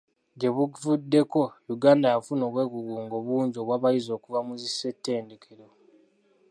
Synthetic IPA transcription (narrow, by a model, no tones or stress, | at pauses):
ɟe̞βuvudːe̞ko̞juɡaːndajafuno̞ːβwe̞ːɡuɡuːŋɡoβuːɲɟo̞ːβwaːβajizo̞ːkuvamuzisːe̞tːe̞ːndekʰeɾo̞